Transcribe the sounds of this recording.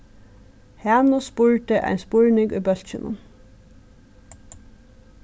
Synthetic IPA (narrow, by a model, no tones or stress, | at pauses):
hæːnʊspʊɹt̪əʔa̰ɪnspʊɹnɪŋɡʊjbœl̥t͡ʃɪnʊ̰n